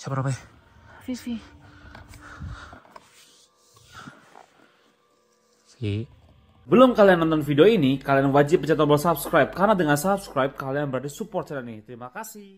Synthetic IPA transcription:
t͡ʃapɾapɛfifi | si | bəlʊmkalianːɔnt̪ɔnfideoinikalianwad͡ʒɪp̚ːət͡ʃat̪̬ɔbɔsapskɾajp̚karnadəŋansapskɾajp̚kalianbəɾadasupɔrt̪̚sɛnanit̪əɾimakasɪ

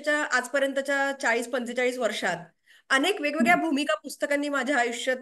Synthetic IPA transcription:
t͡ɕjaʔad͡zpəɾjənt̪ət͡ɕjat͡saɭiːspənt͡set͡ɕaɭiːsʋəɾʂat̪ | ənekʋeɡʋeɡɭjabʱumikapust̪əkanːiːmad͡ʑʱjaːjuʂjət̪

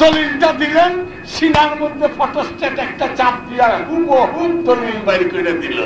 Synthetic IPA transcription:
olilʈad̪ilen | ʃinaɾmod̪ʱːepɔt̪osʈeʈɛk̚ʈat͡ɕap̚d̪iaɾkubod̪olilbaɾikoiɾad̪ilo̰

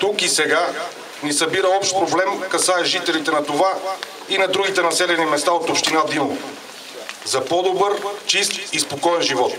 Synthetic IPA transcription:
t̪ukisɛɡa | nisɐbiɾəɔpʃt̪̚pɾoblɛmkɐsaɛʒit̪ɛlit̪ɛnɐt̪ova | inɐd̪ɾuɡit̪ɛnɐsɛlɛnimɛst̪aot̪opʃt̪inad̪ilˠo | zɐpɔd̪obəɾt͡ʃist̪ispokɔɛnʒivɔt̪

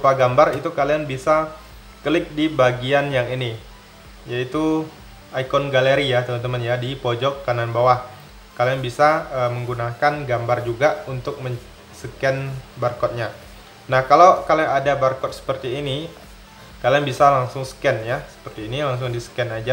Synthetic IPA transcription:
upaɡambarit̪ukaliaŋbisa | kəlɪk̚dibaɡianjaŋini | jait̪u | aikɔnɡaleɾijat̪əmənt̪əmənjadipɔd͡ʒɔkːananbawah | kalianbisaəməŋɡunakanɡambard͡ʒuɡaunt̪ʊk̚məɲ | səkɛnbarkɔt̪̚ɲa | nahkalawkaliaŋadabarkɔt̪̚sə̥pərt̪iːni | kalianbisalaŋsʊŋsə̥kɛnjasə̥pərt̪iːnilaŋs̬ʊŋdisə̥kɛnad͡ʒa

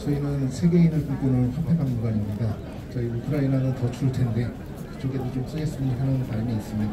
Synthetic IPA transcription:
sʰʌinɯnsʰe̞ɡe̞inɯɭkuk͈ɯnɯɭɸʰapʰeɡammuɡaɲimɲida | t͡ɕʌiukʰɯɾainanɯntʌt͡ɕʰuɾɯɭtʰe̞nde̞ | kɯ̥t͡ɕ͈oɡedot͡ɕoms͈ʌjes͈ɯɲiɦʰanɯntaɾiniːs͈ɯmɲida

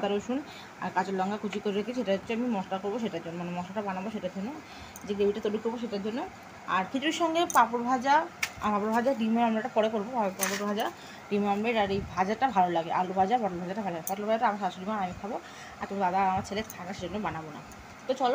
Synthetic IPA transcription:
t̪aɾoʃun | a̰ɾkat͡ɕolːɔŋɡakʰut͡ɕikoɾeɾekʰeʃeʈaot͡ɕʰːeamimɔʃʈakoɾboʃeʈaɾd͡ʑonːomanemɔʃʈaʈabanaboʃeʈaɾd͡ʑonːo | d͡ʑeɡɾebiʈat̪oɾikoɾboʃ̬eʈaɾd͡ʑonːo | a̰ɾkʰit̪uɾiʃɔŋɡepapoɾbʱad͡ʑapapoɾbʱad͡ʑaɖimeamlaʈapɔɽekoɾboapapobʱad͡ʑa | ɖimamleʈaɾejbʱad͡ʑaʈabʱalolaɡeʔa̰lobʱad͡ʑabʱaʈlobʱad͡ʑaʈabʱalolaɡepaʈlobʱad͡ʑaʈaamaɾʃaʃolimaamikʰabo | aɾt̪omid̪ad̪aamaɾt͡ɕʰeleɾt̪ʰanaʃed͡ʑonːobanabona̰ | t̪ot͡ɕɔlo

